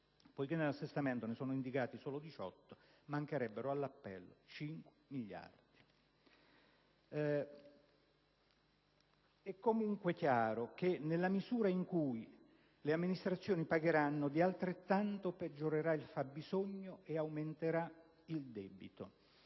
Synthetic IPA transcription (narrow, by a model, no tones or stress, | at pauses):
pojk̟enːelasːest̪ament̪onesoːnoind̪ikaːt̪isoːlod̪it͡ʃɔ̰t̪ːo̥ | maŋkeɾɛbːeɾoalːapːɛ̰lːo̰t͡ʃiŋkwemiʎːa̰rd̪̥i | ɛkːomuŋkwek̟jaːɾok̟enːelːamizuːɾaiŋkuj | leamːinist̪ɾat̪sːjoːnipaɡeɾanːod̪ialt̪ɾet̪ːant̪oped͡ʒːoɾeɾailfabːizoɲːoʔeawment̪eɾa | ild̪ɛːbit̪o